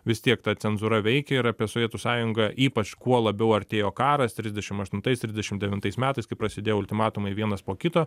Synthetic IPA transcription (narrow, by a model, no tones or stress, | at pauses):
ʋʲɪst̪ʲiɛkt̪ɐtt͡s̪ʲɛnzʊɾɐʋʲɛɪkʲɛɪɾɑːpʲiɛsoʋʲiɛt̪ʊsɑːjʊŋɡɐʔiːpɐt͡ʃkuɔlˠɐbʲɛʊɐɾʲt̪ʲeːjoːkɑːɾɐst̪ʲɾʲɪzʲd̪ʲɛʃʲɪmɐʃt̪ʊnt̪ɐɪst̪ʲɾʲɪzʲdʲɛʃʲɪmd̪ʲɛʋʲɪnt̪ɐɪsmʲæːt̪ɐɪskɐɪpɾɐsʲɪd̪ʲeːjoʊlʲt̪ʲɪmɑːt̪ʊmɐɪʋʲiɛnɐspoːkʲɪt̪oː